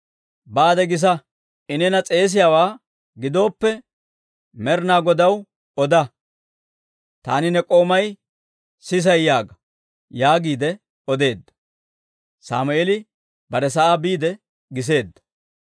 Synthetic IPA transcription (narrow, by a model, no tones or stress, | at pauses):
baːd̪ɛɡɪs̬ɐ | ɪnɛnɐt͡sʼe̞ːs̬ɪjaːwaː | ɡɪd̪o̞ːpːɛ | mɛɾnaːɡɔd̪ɐw | ɔd̪ɐ | t̪a̰ːnɪnɛkʼo̞ːmɐj | sɪs̬ɐjjaːɡɐ | jaːɡiːd̪ɛ | ɔd̪e̞ːd̪ːɐ̥ | sa̰ːmʊeːlɪ | bɐɾɛs̬ɐʔaːbiːd̪ɛ | ɡɪs̬e̞ːd̪ːɐ̥